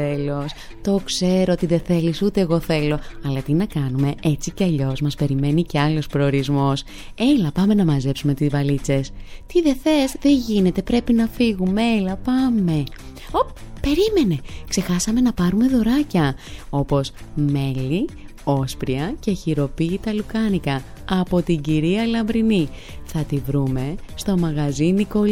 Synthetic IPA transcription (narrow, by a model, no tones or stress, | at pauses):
elo̞s | t̪o̞kse̞ɾoot̪iðe̞θe̞lisut̪e̞ːɣo̞θe̞lo̞ɐlɐt̪inɐkɐnume̞ʔet͡siceɐʎo̞zmɐspe̞ɾime̞nice̞ɐlo̞spɾo̞ːɾizmo̞s | e̞lɐpɐme̞nɐmɐze̞psume̞t̪izvɐlit͡se̞st̪iðe̞θe̞sðe̞ʝine̞t̪e̞pɾe̞pinɐfiɣumeelɐpɐme̞ | oppe̞ɾime̞ne̞kse̞xɐsɐme̞nɐpɐɾume̞ðo̞ɾɐcɐo̞po̞sme̞li | o̞spɾiɐce̞çiɾo̞piːt̪ɐlukɐnikɐː | po̞t̪iɟiɾiɐlɐmbɾini | θɐt̪ivɾume̞st̪o̞mɐɣɐziniko̞